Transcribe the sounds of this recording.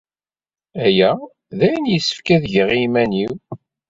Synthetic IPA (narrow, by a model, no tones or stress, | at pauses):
æjæ | ðæjənjəsːə̥fkæðʝəʁimæniw